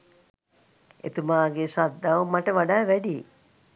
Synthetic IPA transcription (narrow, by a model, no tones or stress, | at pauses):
ḛt̪umaːɡesad̪ːaʋumaʈəʋaɖaːʋæɖi